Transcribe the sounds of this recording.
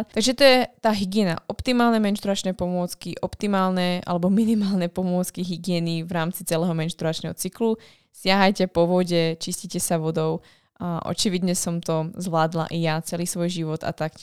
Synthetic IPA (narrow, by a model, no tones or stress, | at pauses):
t̪aɡʒɛt̪ɔjɛt̪aːɦiɡɪɛna̰ʔɔpt̪imaːlnɛmɛnʃt̪ɾuɾat͡ʃnɛpɔmʊɔt͡skiʔɔpt̪imaːlnɛʔa̰lɛbɔminimaːlnɛpɔmʊɔt͡skiɦiɡɪɛniʋɾaːmt͡sit͡sɛlɛːɦɔmɛnʃt̪uɾat͡ʃnɛɦɔt͡siklu | sɪaɦajcɛpɔʋɔɟɛt͡ʃiscicɛsaʋɔd̪ɔʊ | aʔɔ̰t͡ʃiʋid̪ɲɛsɔmt̪ɔzʋlaːd̪la̰ʔijat͡sɛliːsʋɔjʒiʋɔt̪a̰t̪ak